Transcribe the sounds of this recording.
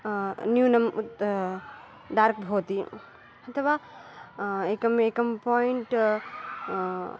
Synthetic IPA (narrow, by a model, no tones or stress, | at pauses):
njuːnɐmṵt̪ | ɖaːɾk̚bʱoːt̪i | ɐt̪ʰɐʋa | ekɐmekɐmpɔːjiɳʈ